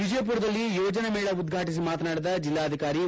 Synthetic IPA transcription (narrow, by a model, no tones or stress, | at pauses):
ʋid͡ʒɐjɐp̬uːɾɐd̪ɐlːijoːd͡ʒɐnemeːɭɐud̪ɡʱaːʈis̬imaːt̪ɐnaːɽid̪ɐd͡ʒilːaːɐd̪ʱikaːɾi